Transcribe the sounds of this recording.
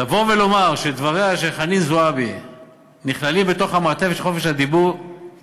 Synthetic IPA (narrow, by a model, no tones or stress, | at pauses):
lavo̞velo̞maʁʃed̪vaʁeaʃ̬eχanizoabi | niχlalimbet̪o̞χhamat̪evet̪χo̞feʃhad̪ibuʁ